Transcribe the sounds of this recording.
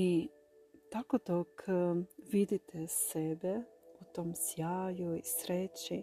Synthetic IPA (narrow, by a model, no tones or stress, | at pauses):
i | t̪akod̪okʰ | ʋid̪it̪esebeut̪oːmsjaːjuisɾet͡ɕi